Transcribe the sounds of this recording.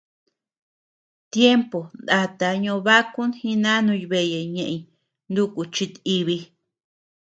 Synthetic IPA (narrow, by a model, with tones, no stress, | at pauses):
t̪je˦mpo˨nd̪a˧t̪a˧ɲõ˧βa˦ku˦nhĩ˧nã˦nũ˧jβe˧˨je˨ɲẽ˨ʔĩ˨ | nd̪u˦ku˨t͡ʃi˧t̪i˧βi˧